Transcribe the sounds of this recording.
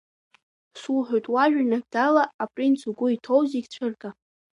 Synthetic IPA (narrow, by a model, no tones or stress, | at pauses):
suħʷᶣojtʼwaʒᶣnaɡdalaːpʼrint͡sʰuɡʷʊitʰo̞wziɡʲt͡ɕʷʰɨrkʼa